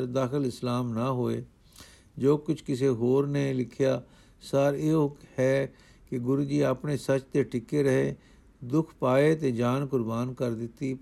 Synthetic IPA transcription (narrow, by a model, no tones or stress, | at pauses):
ɾd̪aːxɪlɪslaːmnəɦoːeː | d͡ʒoːkʊt͡ʃʰkɪseɦoːɾnelɪkʰjaː | səɾeohɛː | keɡʊɾuːd͡ʒiːəpnesət͡ʃt̪eʈɪkːeɾəɦeː | d̪ʊkʰpaːet̪eːd͡ʒaːnkʊɾbaːnkəɾd̪ɪt̪ːi